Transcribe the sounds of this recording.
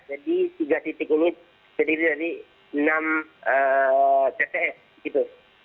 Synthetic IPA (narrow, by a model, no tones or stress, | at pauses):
d͡ʒadit̪iɡat̪it̪ɪk̚ini | t̪ədiɾidaɾi | ənamə | t̪epeʔɛs | it̪u